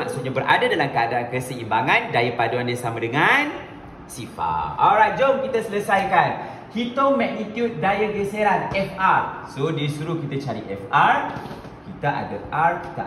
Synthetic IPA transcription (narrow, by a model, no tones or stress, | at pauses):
maksut̪̚ɲabəɾʔa̰dadalamkəadaankəsəimbaŋãndaipaduandasamãdəŋan | sifa̰aɾad͡ʒɔmkit̪asələsajkan | hit̪ɔŋmak̚nit̪jut̪̚dajəɡəseɾanɛfarsodisuɾukit̪at͡ʃaɾiʔɛfar | kit̪aʔa̰ɡət̚arki̥t̪a̰